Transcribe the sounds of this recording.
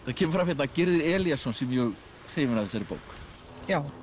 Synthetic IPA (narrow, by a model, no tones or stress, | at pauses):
θaðcʰɛːmʏɾfɾamhjɛt̪nacɪɾðɪɾɛːljasɔnsɛmjœɣ | r̥eːvɪnaðɪsaɾɪpo̰ːwk | jaːw